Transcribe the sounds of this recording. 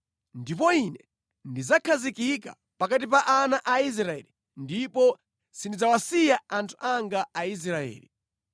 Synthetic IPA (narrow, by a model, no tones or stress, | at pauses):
ndipɔinɛ | ndizakʰazikika̰ | pakatip̬aʔanaʔais̬ɾaɛ̰ːli | ndipɔ | sindid͡zawasijaantʰu̥ʔaŋɡaais̬ɾaɛ̰ːlḭ